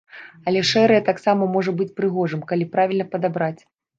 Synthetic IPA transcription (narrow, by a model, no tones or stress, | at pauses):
ɐlʲɛʂɛɾɨjɐt̪aksamɐmɔʐɐbɨt͡sʲpɾɨɣɔʐɨmkalʲipɾavʲilʲnɐpɐd̪abɾat͡sʲ